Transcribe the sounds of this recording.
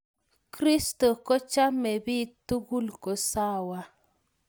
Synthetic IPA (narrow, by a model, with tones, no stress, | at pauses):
kɾi˦sto˨ko˦t͡ʃa˦me˨bi˦tu˦ɡu˦lko˨sa˦˨wa˦